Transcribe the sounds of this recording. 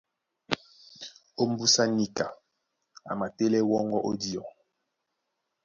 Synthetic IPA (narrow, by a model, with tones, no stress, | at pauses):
o˦m̩˦bu˦sa˦ni˨ka˨ | a̰˨ma˨te˦lɛ˦wɔ˦ŋɡɔ˦ʔo˦di˦ɔ˨